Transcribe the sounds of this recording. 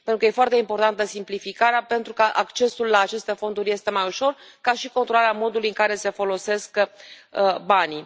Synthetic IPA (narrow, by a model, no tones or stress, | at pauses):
pent̪ɾukəje̞foart̪e̞impo̞rt̪ant̪əsimplifikaɾeape̞nt̪ɾukəʔakt͡ʃe̞sulːaːt͡ʃe̞st̪e̞fo̞nd̪uɾʲje̞st̪e̞majuʃo̞rkaʃiko̞nt̪ɾo̞laɾeamo̞d̪ulujɨŋkaɾe̞se̞fo̞lo̞se̞skəəbani